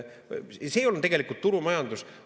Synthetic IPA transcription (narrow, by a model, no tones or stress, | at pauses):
seːjolnt̪e̞ɡe̞likult̪ːuɾumɑjɑnd̪us